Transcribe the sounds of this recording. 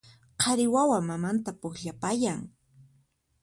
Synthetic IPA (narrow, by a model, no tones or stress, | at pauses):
qʰɑɾɪwawamamant̪apʊkʎapajaŋ